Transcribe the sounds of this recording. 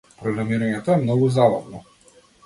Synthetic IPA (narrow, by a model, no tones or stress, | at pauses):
pɾɔɡɾamiɾaɲɛt̪ɔɛmnɔɡuzaba̰vnɔ